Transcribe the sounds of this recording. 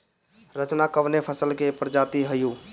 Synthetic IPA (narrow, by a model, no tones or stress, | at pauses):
ɾət͡ʃnakəʋnepʰəsəlkepɾd͡ʒat̪iɦəju